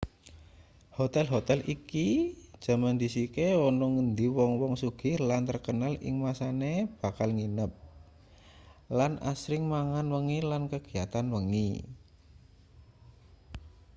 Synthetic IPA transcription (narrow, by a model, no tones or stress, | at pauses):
hot̪ɛlɦot̪ɛliki̥ʒ̥a̤mand̪i̤sikeɔnɔŋənd̪iwɔŋwɔŋsuɡ̥ɪrlant̪ərkənalɪ̰ŋmasaneb̥a̤kalŋinəp̚ | lanʔa̰sɾɪŋmaŋanwəŋilankəɡ̥i̤jat̪anwəŋḭ